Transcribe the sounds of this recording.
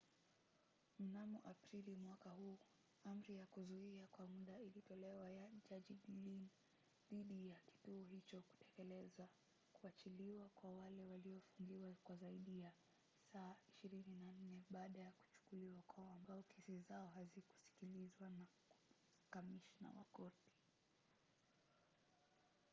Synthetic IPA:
m̩namɔʔapɾilimwakahuː | am̩ɾijakuzuiakwamuɗailitɔlɛwajad͡ʒad͡ʒiɗilin | ðiɗijaki̥tuɔɦit͡ʃɔku̥tɛ̥kɛlɛza | kuat͡ʃiliwakwawalɛwaliɔfuŋɡiwakwazaiɗija | saːiʃiɾininan̩nɛɓaːɗajaku̥t͡ʃu̥kuliwakwaɔambaɔkʰɛsizaɔɦaziku̥si̥kilizwana | kamiʃna̰wa̰kɔti̥

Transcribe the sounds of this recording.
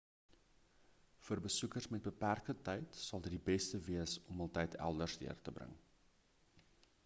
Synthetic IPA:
fəːrbəsukərsmɛt̚bəpærkətɛjtsɐlˠdədibɛstəviəsɔmɑlˠtɛjtʰæ̰lˠdərsdḭərtəbrə̰ŋ

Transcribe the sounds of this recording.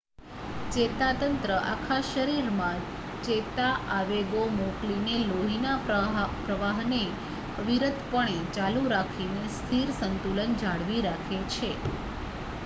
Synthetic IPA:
t͡ʃet̪at̪ənt̪ɾəʔakʰaʃəɾiɾmã | t͡ʃet̪aʔaʋeɡomoklineloɦinapɾəʋaɦne | ʋiɾət̪pəɳ̃et͡ʃaluɾakʰinest̪ʰiɾsənt̪ulənd͡ʒaɽʋiɾakʰet͡ʃʰe

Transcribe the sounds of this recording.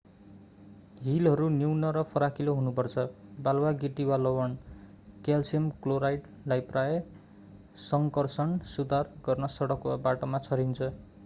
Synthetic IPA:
ɦilɦʌɾuniwnʌɾʌpʰʌɾakiloɦunupʌrt͡sʰʌbalwaɡiʈiwalʌwʌn | kelsemkloɾajʈ | lajpraje | sʌŋkʌrsʌnsud̪ʱarɡʌrnʌsʌɽʌkwabaʈʌmat͡sʰʌɾint͡sʰʌ

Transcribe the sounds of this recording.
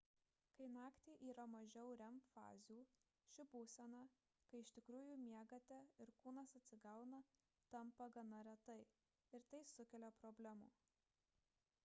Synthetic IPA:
kɐɪnɑːkt̪ʲeːʔiːɾɐmɐʒʲɛʊɾʲɛmfɑ̰ːzʲuː | ʃʲɪbuːsʲɛnɐ | kɐɪɪʃʲt̪ʲɪkɾuːjuːmʲiɛɡɐt̪ʲɛɪɾkuːnɐsɐt̪ʲsʲɪɡɐʊnɐ | t̪ɐmpɐɡɐnɐɾʲɛt̪ɐɪ | ɪɾt̪ɐɪsʊkʲɛlʲoːpɾɔbʲlʲɛmṵː

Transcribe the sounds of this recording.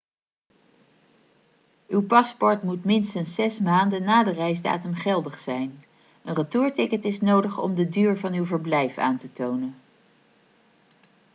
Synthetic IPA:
ywpɑspɔɹtmutmɪnstənsːɛsmaːndənːaːdərɛjzda̰ːtəmχɛlˠdəχsɛjn | ənrətuːɹtɪkətɪsnowdəχɔ̰mdədyːɹvɑnywvəɹblɛjfa̰ːntətownən

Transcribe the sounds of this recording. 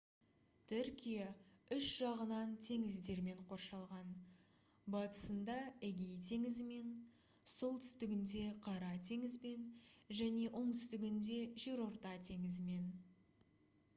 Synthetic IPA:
t̪ʰʏɾkʲijɑʏʃʒ̥ɑʁənɑnt̪ʰe̞ŋɪzd̪e̞ɾme̞ɴqʰo̞rʃɑlˠʁɑn | bɑt̪ə̥sənd̪ɑeɡʲejt̪ʰe̞ŋɪzɪme̞n | so̞lˠt̪ʰʏ̥st̪ɪɡʲɪnd̪e̞qʰɑɾɑt̪ʰe̞ŋɪzbe̞nʒæne̞ʔo̞ɴt̪ʰʏst̪ɪɡʲɪnd̪e̞ʒe̞ɾo̞ɾt̪ɑt̪ʰe̞ŋɪzɪme̞n

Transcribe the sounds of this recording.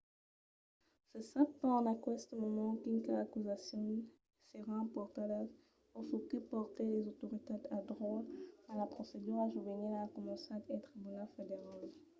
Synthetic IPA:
səsapt̪ɑ̃nakwɛst̪əmɔmɑ̃kinkaakyzasjɔ̃n | seʁãpɔʁt̪alɛv | ofokəpɔʁt̪ɛlezot̪oʁit̪ed̪ad̪ʁɔlalapχosed̪yʁaʒubeneakɔmɑ̃sẽad̪ɛt̪χibynalfed̪eʁal

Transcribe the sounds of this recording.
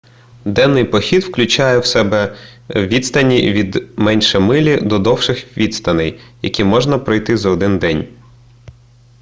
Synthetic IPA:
d̪ɛnːɪjpɔxʲid̪wklʲʉt͡ʃajɛwsɛbɛwʋʲit̪st̪ɐnʲiʋʲid̪mɛnʲʃɛmɪlʲid̪ɔd̪ɔwʃɪxʋʲid̪st̪ɐnɪjjɐ̰kʲimɔʒnɐpɾɔjt̪ɪzɐɔd̪ɪnd̪ɛnʲ

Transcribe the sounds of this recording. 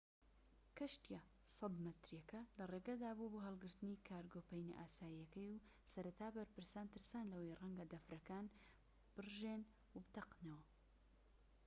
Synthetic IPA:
kɐʃt̪ija | sɑd̪mɐt̪ɾjɐkɐlɐreːɡɐd̪aːbuboːɦɐlˠɡɨɾt̪ɨniːkʰaːɾɡoːpɐjnḭʔaːsaːjijɐkɐjusɐɾɐt̪ʰaːbɐɾpɨɾsaːnt̪ʰɨɾsaːnlɐwejrɐŋɡɐd̪ɐfɾɐkaːn | b̥ɨrʒeːn | wbt̪ɐqnɐwɐ

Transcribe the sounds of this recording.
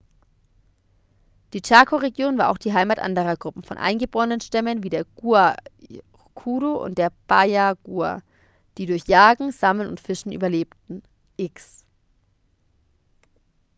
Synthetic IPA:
d̥iːt͡ʃakʰoʁeɡjoːnvaːɐʔaʊxd̥iːɦaɪmatʔa̰ndəʁɐɡʁʊpm̩fɔnʔa̰ɪnɡəboːʁənənʃtɛmənviːdeːɐɡ̥ua | kʰuːɾoʔʊ̰ntd̥eːɐb̥ajaɡ̥uɐ̰ | d̥iːdʊɐçjaːɡŋ̩z̥amlənʊ̰ntfɪʃn̩ʔy̰ːbɐleːptn̩ | ʔɪks

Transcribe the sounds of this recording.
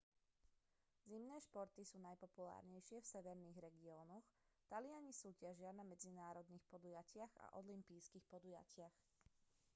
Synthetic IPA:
zimnɛːʃpɔɾt̪isuːnajpɔpula̰ːɾɲɛjʃɪɛfsɛʋɛɾniɣɾɛɡiɔːnɔxt̪alɪaɲisuːcɪaʒɪanamɛd͡zinaːɾɔd̪niːxpɔd̪ujacɪaɣa̰ʔɔlimpiːskixpɔd̪uja̰cɪax

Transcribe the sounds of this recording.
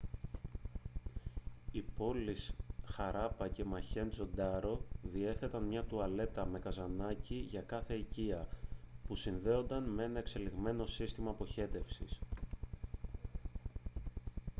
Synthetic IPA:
ipo̞lisxɐɾɐpɐce̞mɐçe̞nd͡zo̞d̪ɐɾo̞ðie̞θe̞t̪ɐnmɲɐt̪uɐle̞t̪ɐme̞kɐzɐnɐciʝɐkɐθe̞iciɐpusinðe̞o̞nd̪ɐnmee̞nɐe̞kse̞liɣme̞no̞sist̪imɐːpo̞çe̞t̪e̞fsḭs

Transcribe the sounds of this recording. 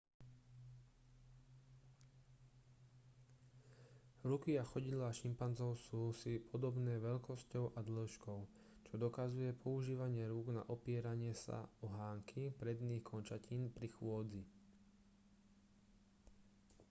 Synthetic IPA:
ɾukiaxɔɟid̪laːʃimpanzɔʊsuːsipʰɔd̪ɔbnɛːʋɛʎkɔscɔʊʔad̪lɔʃkɔʊ | t͡ʃɔd̪ɔkazujɛpʰɔuʒiːʋaɲɪɛɾuːɡna̰ʔɔpɪɛɾaɲɪɛsa̰ɔɦaːŋkʰipɾɛd̪niːxkʰɔnt͡ʃaciːnpɾixʊɔd͡zi

